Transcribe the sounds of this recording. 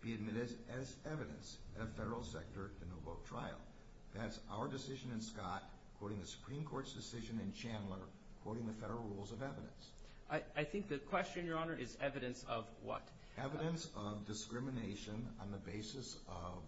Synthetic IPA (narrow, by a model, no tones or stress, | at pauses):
b̥iɨd̚mɪɾɨɾɨzɛvɨɾɨ̰̃nsɨɾɨfɛɾə˞l̩ˠsɛ̰k̚tə˞ɾɨnoʊboʊtʰɹ̥aɪl̩ˠ | ðætsa̰ʊə˞dɨsɪʒɨ̃nɨ̃nskɑt̚ | kʰw̥oʊɾɪ̃ŋðɨsə̥pʰɹ̥ĩmkʰɔɹtsd̥ɨsɪʒɨ̃nɨ̃nt͡ʃʰæ̃nlˠə˞ | kʰw̥oʊɾɪ̃ŋðɨfɛɾə˞l̩ˠɹulˠzʌvɛvɨɾɨ̰̃ns | aɪaɪθɪ̃ŋk̚ðɨkʰw̥ɛst͡ʃɨ̃ñnjə˞ɑnə˞ʔɪzɛvɨɾɨ̃nsʌvwʌ̰t | ɛvɨɾɨ̃nsʌvdɨskɹɪmɨneɪʃɨ̃nə̰̃nðɨbeɪsɨsʌv̥